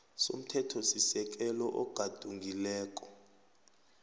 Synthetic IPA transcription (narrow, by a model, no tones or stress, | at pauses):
som̩tʰɛtʰɔsisɛk̬ʼɛlɔʔɔɡ̥ʱad̥ʱuŋɡilɛːkʼɔ̥